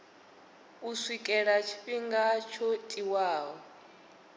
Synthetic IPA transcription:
uswikʼɛɺat͡ʃʰi̥ɸiŋɡat͡ʃʰɔtʼiwaːɦɔ

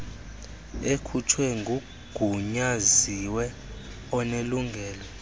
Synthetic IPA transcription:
ekʰutʰwɛŋɡʱu | ɡ̥ʱuɲaziwɛ | ɔneluŋɡʱɛːlɔ

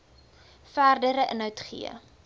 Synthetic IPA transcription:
fæːrdəɾəʔənɦœwtχḭə̰

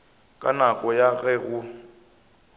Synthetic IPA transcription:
kʼa̰nakʼɔjaɣɛɣʊ

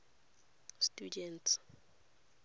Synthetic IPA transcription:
stʼudɛnts

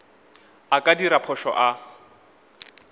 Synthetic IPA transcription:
akʼadiɾapʰɔʃɔ̰ʔa

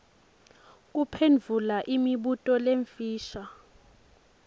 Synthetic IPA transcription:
k̬ʼupʰend͡vʱulaʔimiɓutʼɔleɱfiːʃa

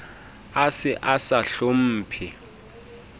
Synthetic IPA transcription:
asɪʔasaɬom̩ːpʰi

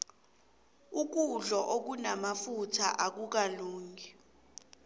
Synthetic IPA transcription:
uk̬uɮɔʔok̬unamafutʰaʔak̬uk̬aluːŋi

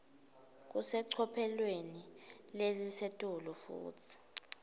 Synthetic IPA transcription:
k̬usɛǀʰɔpʰɛlwenilezisetʼulufṵːtʰi̥

